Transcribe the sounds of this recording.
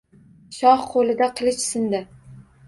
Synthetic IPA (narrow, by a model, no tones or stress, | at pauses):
ʃɒhqʰolɪd̪aqʰɨlˠɪt͡ʃsɪnd̪ɪ